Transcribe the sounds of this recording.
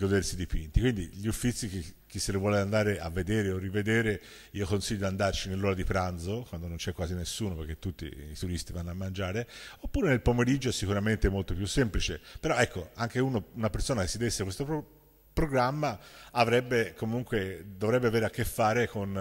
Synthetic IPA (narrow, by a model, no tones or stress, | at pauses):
ɡod̪eɾsid̪ipint̪ikwind̪iʎufːit̪sːik̟ek̟ːisːelovwɔːleand̪aːɾeʔavːed̪eːɾeorːived̪eːɾe | iːokonsiʎːod̪iand̪art͡ʃinelːoːɾad̪ipɾand̪zokwand̪onõnt͡ʃɛkːwaːzinesːuːnopeɾk̟ːet̪ːut̪ːḭːt̪uɾist̪ivanːoamːand͡ʒaːɾeopːuːɾenelpomeɾid͡ʒoɛsːikuɾament̪emolt̪opjusːemplit͡ʃepeɾɔɛkːoaŋkeunounapeɾsoːnak̟esːid̪esːekwest̪o | pɾoɡɾamːaavɾɛbːekomuŋkwed̪ovɾɛbːeaveːɾeakːefːaːɾekon